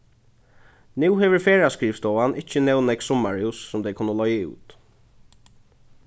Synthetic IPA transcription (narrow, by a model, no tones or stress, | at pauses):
nʉːhɛʋəɹfeːɹaskɹiːfst̪ɔːanɪt͡ʃːənɛwnɛkssɔmaɹusːʊmd̪ɛɪkʰʊnːəlɔjəṵːt̪